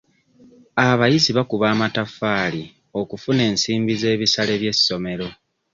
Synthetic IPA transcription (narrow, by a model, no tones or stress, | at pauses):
aβajiziβakuβaːmatafaːli | o̞kufune̞ːnsiːmbize̞ːβisale̞βje̞sːo̞me̞ɾo̞